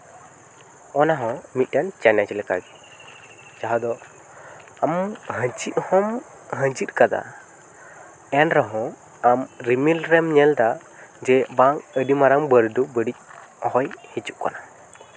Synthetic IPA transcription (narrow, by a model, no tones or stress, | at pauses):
ɔnaɦɔ̃mit̪̚ˀdant͡ʃanat͡ʃɛlɛka̰ɡɛ | d͡ʒaɦad̪ɔ | amɦə̃d͡ʒiʔ̪̚hɔm | ɦə̃d͡ʒit̪̚kad̪a̰ | ɛnɾaɦɔ̃ | amɾimilɾɛmɲɛld̪a | d͡ʒɛbaŋəɖimaɾaŋbəɾd̪ubəɽic̚hɔjhit͡ʃuʔka̰na